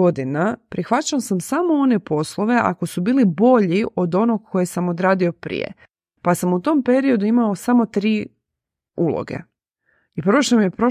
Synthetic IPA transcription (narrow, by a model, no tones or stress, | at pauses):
o̞d̪inapɾixʋat͡ɕaosamsamo̞o̞ne̞po̞slˠo̞ʋe̞ʔa̰ko̞subiːlibo̞ʎiʔo̞d̪o̞no̞ɡ̚kʰo̞jesamo̞d̪ɾaːd̪io̞pɾḭjḛ | pasamut̪o̞mpe̞ɾiod̪uimao̞samo̞t̪ɾiː | ṵlˠo̰ɡḛ | ipɾoʃt̪omije̞pɾo̞